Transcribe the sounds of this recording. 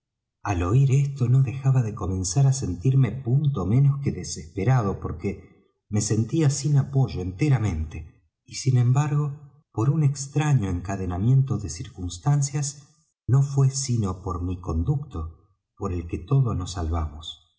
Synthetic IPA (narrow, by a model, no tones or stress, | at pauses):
alo̞iɾest̪o̞no̞ðe̞xaβaðe̞ko̞mẽ̞nsaɾase̞nt̪iɾme̞punt̪ome̞noskeðesespeɾað̞o̞po̞ɾke | me̞se̞nt̪iasinapo̞ʒo̞ent̪eɾamẽ̞nt̪e | isinẽmbaɾɣo̞ | po̞ɾunekst̪ɾaɲo̞eŋkaðenamje̞nt̪o̞ðesiɾkunst̪ansjas | no̞fwe̞sino̞po̞ɾmiko̞nd̪uk̚t̪o̞ | po̞ɾe̞lke̞t̪o̞ð̞oznosːalβamos